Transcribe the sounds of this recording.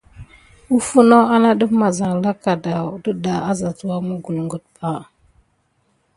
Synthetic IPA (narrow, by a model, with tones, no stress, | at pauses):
u˦fu˦no˦a˦na˦ɗə˦fma˨za˨ŋ˨la˦ka˨da˨də˦da˨a˦za˨t͡su˨wa˦mə˦ɡu˨lŋɡə˨t̚pa˦˨